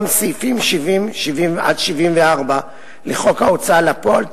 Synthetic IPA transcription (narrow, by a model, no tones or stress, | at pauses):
msifimʃivimʃivimʔa̰dʃivimveaʁba | leχo̞kaot͡salapoalt